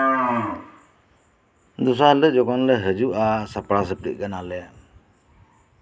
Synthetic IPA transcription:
d̪ɔs̬alɛd͡ʒɔɡɔnlɛɦəd͡ʒuʔasapɾasəp̚ɾḭʔ̚ɡanalɛ

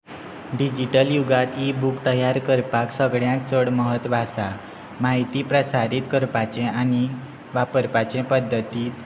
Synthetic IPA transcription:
ɖid͡ʑiʈəljuɡat̪ibukt̪əjaɾkəɾpaksəɡɭjãk̚t͡səɽməɦət̪ʋasa | maɦit̪ipɾəsaɾit̪kəɾpat͡ɕɛ̃añi | ʋapəɾpat͡ɕɛ̃pəd̪ʱːət̪iːt̪

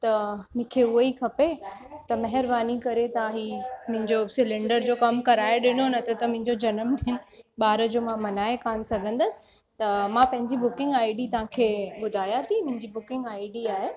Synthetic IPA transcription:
t̪ɐmʊ̃kʰeʊəikʰɐpet̪ɐmɐɦɪɾbaːnikɐɾet̪ãɦiːmʊ̃ɦɪ̃ɲd͡ʑosɪlɪ̃ɳɖəɾd͡ʑoːkɐmkɐɾaːeɗɪnonɐt̪ʰɐt̪ɐmʊ̃ɦɪ̃ɲd͡ʑod͡ʑɐnəmɗ̪ɪɪnɪ̆ | ɓaːɾəd͡ʑoːmãmɐnaːekaːnsɐɡʱə̃nd̪əsɪ̥̆ | t̪ɐmãpɐ̃ɦɪ̃ɲd͡ʑibʊkɪ̃ŋɡaːɪɖit̪ɐʋ̤ãkʰeːɓʊd̪ʱaːjat̪ʰimʊ̃ɦɪ̃ɲd͡ʑibʊkɪ̃ŋɡaːiɖiaːɦe

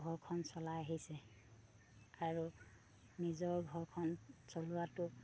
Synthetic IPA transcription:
ɡʱɔɹkʰɔnsɔlaaɦisɛ | aɹu | nizɔɹɡʱɔɹkʰɔnsolʊwatʊ

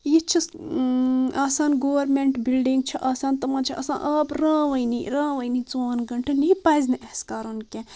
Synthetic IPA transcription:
jit͡ʃʰɐs | aːsaːnɡoːʋɐɾmẽɳʈbilɖĩŋɡ̚t͡ʃʰɐʔaːsaːnt̪ɐmaːnt͡ʃʰɐʔɐsã̰ːʔaːpɾãːʋɐjniɾãːʋɐjnit͡soːnɡɐɳʈɐniipaːjznɐʔɐskaːɾonke

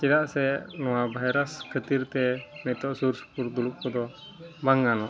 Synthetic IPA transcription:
t͡ʃiɾaʔsɛnɔabaɦɾaskʰət̪irt̪ɛmɛt̪ɔʔsurspurd̪uluʔpɔd̪ɔ | baŋanɔ

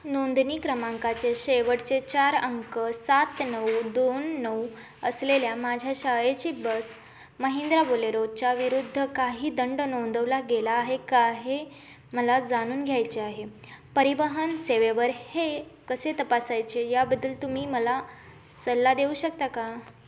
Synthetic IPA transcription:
nond̪niːkɾəmaŋkat͡ɕeɕeʋəʈt͡set͡ɕaɾəŋkəsat̪nəwd̪onːəw | əsleljamad͡ʑʱjaɕəjet͡ɕiːbəs | məɦend̪ɾaboleɾot͡ɕaʋiɾud̪ʱːəkaɦiːd̪əɳɖnond̪ʱəʋlaɡelaːɦekaɦe | məlad͡zaɽ̃uːnɡʱjajt͡ɕeaɦe | pəɾiʋəɦənseʋeʋəɾhekəset̪əpasajt͡ɕejabəd̪ːəːlt̪umiːməla | səlːad̪euːɕək̚t̪aka

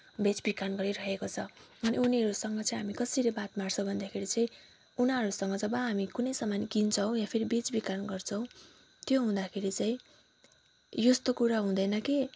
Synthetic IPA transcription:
bet͡sbikanɡʌɾiɾʌɦekot͡sʰʌʌniuniʌɾusʌŋɡʌt͡saĩɦamikʌsiɾebat̪marsʌbʱʌnd̪akʰeɾit͡saĩ | unaɾusʌŋɡʌd͡zʌbʌɦamikunʌjsʌmankint͡sʰʌw̃jãpʰeɾibet͡sbikanɡʌrt͡sʰʌw̃ | t̪joɦũd̪akʰeɾit͡saĩ | jost̪okuɾaɦũd̪ʌjnʌke

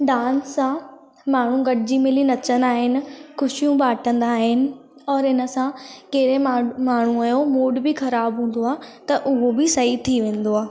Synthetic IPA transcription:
ɖaːnsã | maːɳ̤ũɡɐɖɪd͡ʑimɪlinɐt͡ɕə̃nd̪aːɦɪnɪ̆xʊʃijũbaːʈʰə̃nd̪aːɦɪnɪ̆ | ɔːɾɪnə̆sãkeːɾemaːɳ̤ũɐjomoːɖbɪxɐɾaːbɦũːn̆d̪oaːt̪ɐʔʊɦobɪsɐɦit̪ʰiʋẽːn̆d̪oaː

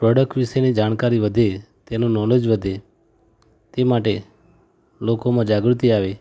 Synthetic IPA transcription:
pɾɔɖək̚ʈʋiʃenid͡ʒaːɳ̃kaɾiʋəd̪ʱe | t̪enõnɔled͡ʒʋəd̪ʱe | t̪emaʈ̬e | lokomãd͡ʒaɡɾut̪iaʋe

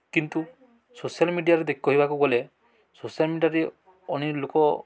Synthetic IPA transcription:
kint̪u | sosialmiɖijaɾed̪ekʰikɔɦibakuɡɔle | sosialmiɖiaɾe | ɔñilokɔ

